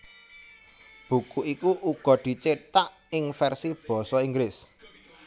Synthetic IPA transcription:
b̥ṳkuʔikuʔuɡ̥ɔ̤d̪̥i̤t͡ʃet̪aʔ | ɪŋfɛrsib̥ɔ̤sɔiŋɡlɪs

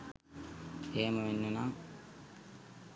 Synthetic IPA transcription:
eːməʋenːənaŋ

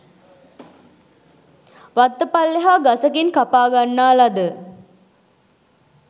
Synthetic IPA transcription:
ʋat̪ːəpalːeɦaɡasəkinkapaːɡanːaːlad̪ə

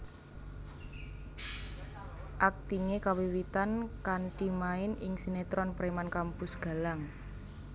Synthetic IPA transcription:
ʔak̚t̪iŋekawiwit̪ankanʈimaɪnɪ̰ŋsinet̪ɾɔnpɾemankampʊsɡ̥a̤laŋ

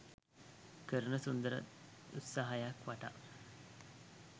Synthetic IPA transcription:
kəɾənəsund̪əɾə̰ | ut̪saɦajakʋaʈa̰

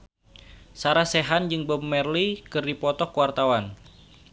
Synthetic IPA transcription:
saɾaseɦand͡ʒɨŋbəmːɛrlikɨrdipɔt̪ɔkuwart̪awan

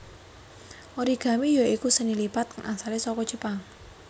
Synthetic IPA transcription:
ʔoɾiɡ̥a̤mijoikusənilipat̪̚kəŋʔasalesɔkɔdʒ̥əpaŋ

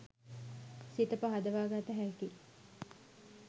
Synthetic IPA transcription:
sit̪əpɐɦad̪ɐʋaːɡat̪əɦæki

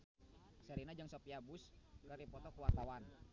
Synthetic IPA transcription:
səɾinad͡ʒɨŋsopiabuskəɾipɔt̪ɔkuwart̪awan

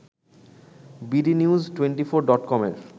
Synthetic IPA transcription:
biɖiniuzʈweɳʈifoɾɖɔʈkɔmḛɾ

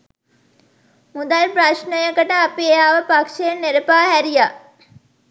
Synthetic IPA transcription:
mud̪alpɾaʃnəjəkəʈəapieaːʋəpakʂejenːeɾəpaːɦæɾija

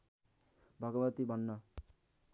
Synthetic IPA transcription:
bʱʌɡʌbʌt̪ibʱʌnːʌ

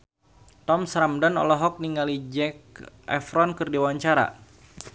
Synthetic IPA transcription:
t̪ɔmsɾamdanɔ̰lɔɦɔk̚niŋalid͡ʒɛk̚ | ɛfɾɔnkɨrdiwaɲt͡ʃaɾa̰

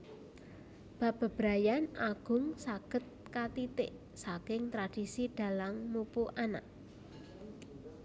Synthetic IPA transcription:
b̥a̤b̥a̤b̥ɾajanʔaɡ̥ʊ̤ŋsaɡ̥ə̤t̪̚kat̪it̪ɪʔ | sakɪŋt̪ɾad̥isiɖ̥a̤lammupuʔana̰ʔ

